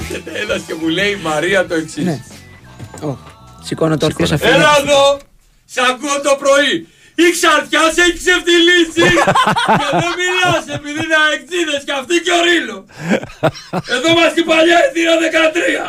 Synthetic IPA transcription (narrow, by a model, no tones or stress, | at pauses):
cet̪elɐsce̞mule̞imɐɾiɐt̪o̞eksin | osikonɐt̪okosɐfenɐðo̞ | sɐkuont̪o̞pɾo̞i | iksɐɾt̪çɐseçi̥seft̪ilisi | eðomilɐsepiðinɐek̚t͡siðescɐft̪iceoɾilo | e̞ðo̞mɐscipɐʎɐðioðe̞kɐt̪ɾiɐ